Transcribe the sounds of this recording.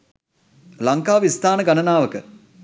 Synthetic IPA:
laŋkaːʋist̪ʰaːnəɡanənaːʋəkə

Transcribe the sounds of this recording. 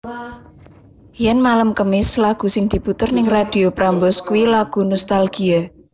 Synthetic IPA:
jɛnmaləmkəmɪslaɡ̥ṳsɪŋd̪̥i̤put̪ərnɪŋrad̥i̤opɾambɔskuwilaɡ̥ṳnɔst̪alɡ̥ia

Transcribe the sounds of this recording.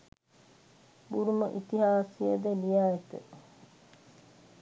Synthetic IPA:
buɾuməʔit̪iɦaːsijəd̪elijaːet̪ə

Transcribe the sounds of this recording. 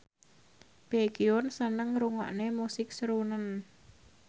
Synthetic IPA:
b̥eɡ̥iʊnsənəŋɾuŋɔ̰ʔnemusɪk̚səɾunən

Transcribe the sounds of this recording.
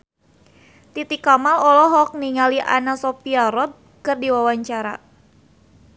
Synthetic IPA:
t̪it̪ikamalɔlɔɦɔk̚niŋaliʔa̰nasɔpiaɾɔb̚ | kɨrdiwawaɲt͡ʃaɾa̰

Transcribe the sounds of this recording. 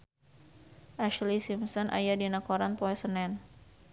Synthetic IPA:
ʔaʃlisimsɔnʔa̰jadinakoɾanpoɛsənɛn

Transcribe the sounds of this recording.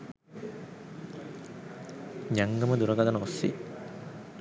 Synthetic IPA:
ɲaŋɡɐmɐd̪uɾɐɡɐd̪ɐnɐosːḭ

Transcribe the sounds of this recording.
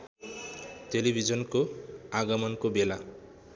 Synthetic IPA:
telibʱid͡ʒɔnkoaɡɔmɔnkobela

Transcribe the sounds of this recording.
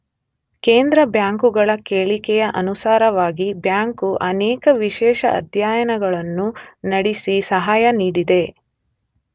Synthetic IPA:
keːnd̪ɾɐbjaːŋkuɡɐɭɐkeːɭikɛjɐʔɐnusaːɾɐʋaːɡibjaːŋkuʔɐnɛːkɐʋiʃɛːʃɐ̰ʔɐ̰d̪ʱjaːjɐnɐɡɐɭɐnːunɐɽisisɐɦaːjɐniːɽid̪e̞

